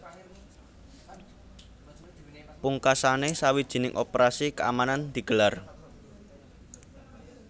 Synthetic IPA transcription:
puŋkasanesawid̥ʒ̥i̤nɪŋʔopɾasikəa̰manand̪̥i̤ɡ̥ə̤lar

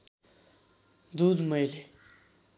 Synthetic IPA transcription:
d̪ud̪mʌjle

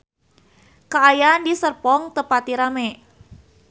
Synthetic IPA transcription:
kaːjaːndisərpɔŋt̪əpat̪iɾamɛ

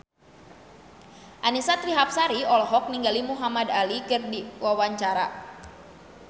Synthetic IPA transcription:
ʔanisat̪ɾiɦap̚saɾiɔlɔɦɔk̚niŋɡalimuɦamadalikɨrdiwawaɲt͡ʃaɾa

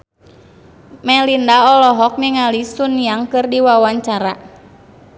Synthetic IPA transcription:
mɛlindaɔlɔɦɔk̚miŋalisunjaŋkɨrdiwawaɲt͡ʃaɾa

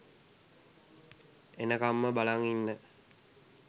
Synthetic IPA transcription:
enəkamːəbalaŋinːə

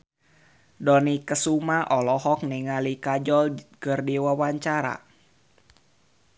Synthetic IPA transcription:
dɔnikəsumaʔɔlɔɦɔk̚niŋalikad͡ʒɔlkɨrdiwawaɲt͡ʃaɾa̰

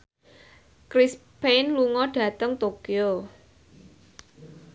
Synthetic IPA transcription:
kɾispenluŋɔɖ̥ä̤t̪əŋt̪okio

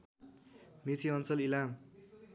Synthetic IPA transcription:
mit̪ʰiʌnt͡sʌlilam

